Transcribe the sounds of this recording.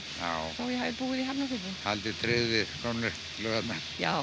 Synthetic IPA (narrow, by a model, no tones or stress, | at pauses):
ja̰ːwθawjɛɦaːvðɪpuːɪðiɦapnafɪt̪nɪhalt̪ɪt̪ʰɾɪːðɪkʰɔnlɪ | lœɣat̪na | ja̰ː